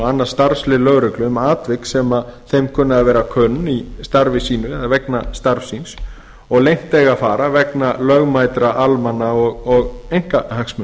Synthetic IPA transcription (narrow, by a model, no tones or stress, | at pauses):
anːast̪aɾfslɪlœɣɾʏklʏmaːt̪vɪksɛmaðθejmkʰʏːnːaðavɛːɾakʰœnːist̪aɾvɪsiːnʏɛðavɛknast̪aɾfsins | ɔɣlejŋ̥t̪eːɣafaːɾavɛknalœɣmajt̪ɾaʔalmanːaɔɣɔɣejŋ̥kahaksmʏ